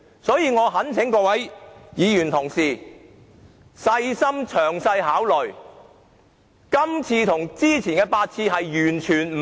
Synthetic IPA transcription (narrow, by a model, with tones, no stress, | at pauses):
sɔː˨˥jiː˧ŋɔː˨˧ɦɐ˨˥nt͡sʰɪ˨˥ŋkɔː˧wɐ˨˥jjiː˨˧jyː˨˩nt̪ʰʊ˨˩ŋsiː˨ | sɐ˧jsɐ˥mt͡ʃʰœː˨˩ŋsɐ˧jhaː˨˥wlœ˨˩ | kɐ˥mt͡sʰiː˧t̪ʰʊ˨˩ŋt͡siː˥t͡sʰiː˨˩nkɛː˧paː˧t̚t͡sʰiː˧ɦɐ˨jjyː˨˩nt͡ʃʰyː˨˩nm̩˨